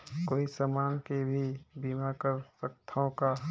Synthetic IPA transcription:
koːisəmaːnkebʱibimakəɾsəkt̪ʰõka

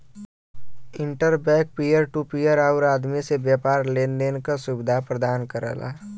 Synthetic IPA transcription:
ɪ̃ɳʈəɾbɛːk̚pijəɾʈupijəɾaʊɾaːd̪misebjɛːpaːɾleːnd̪eːnkasubɪd̪ʱapɾəd̪aːnkəɾə̰ːlʔa̰

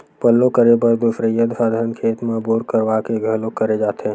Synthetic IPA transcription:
pəlːõkəɾebəɾbɪfɾəjəd̪saːd̪ʱəɾənkʰeːt̪mãːboːɾkəɾwakeɡʱəlõkəɾed͡ʒaːt̪e

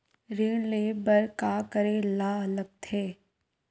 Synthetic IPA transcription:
ɾiːɽleːbəɾkakəɾelaɐləɡ̚t̪ʰeː

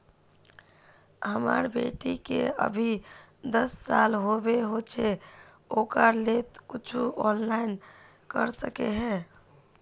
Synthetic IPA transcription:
ɦəmə̰ɾbḛʈikḛə̰bʱid̪əsːalɦobeɦot͡ʃʰe | okəɾlet̪kʊt͡ʃʰuɔnlaɪn | kəɾsəkḛɦɛ̃

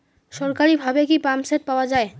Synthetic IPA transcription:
ʃɔɾkaɾibʱabekipamset̪̚paoad͡ʑae

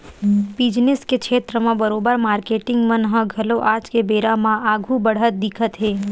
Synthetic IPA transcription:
bid͡ʒneskekʃʰeːt̪ɾəmãbəɾobəɾmaːɾkeʈɪ̃ŋɡmənɦə̃ɡʱəloʔad͡ʒkebeɾamãʔaɡʱũbəɽ̤ət̪̚d̪ɪkʰət̪ɦeː

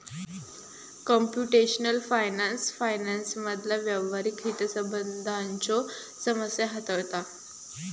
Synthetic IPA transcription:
kɔmpjuʈeɕnəlfajnansfajnansməd̪ʱlaʋjəʋəɾikɦit̪əsəbənd̪ʱaɲt͡ɕɔ | səməsjaɦət̪əʋt̪a

